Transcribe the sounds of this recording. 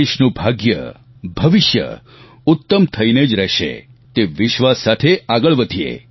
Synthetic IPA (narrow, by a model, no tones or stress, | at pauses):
eʃnũbʱaɡjə̰ | bʱəʋɪʃjə̰ | ʊt̪ːəmt̪ʰəined͡ʒɾɛʃḛ | t̪eʋɪʃʋasːat̪ʰeaɡəɭʋəd̪ʱiḛ